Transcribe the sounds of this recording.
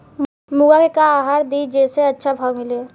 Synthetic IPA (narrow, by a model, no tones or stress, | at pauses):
muɡakekaːɦaɾd̪id͡ʒeseətːʃʰabʱamilie